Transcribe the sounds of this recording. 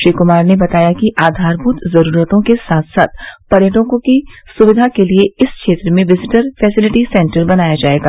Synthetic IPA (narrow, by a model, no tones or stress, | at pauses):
ʃɾiːkʊmaːɾnebɐt̪aːjakiʔaːd̪ʱaːɾbʱuːt̪zɐɾuːɾət̪õkesaːt̪ʰsaːt̪̚pɐɾjəʈõkokisʊʋɪd̪ʱakelieɪskʃeːt̪ɾəmẽʋɪzɪʈəɾfʰɛːsɪlɪʈisɛ̃ɳʈəɾbɐnaːjad͡ʒaːeːɡaː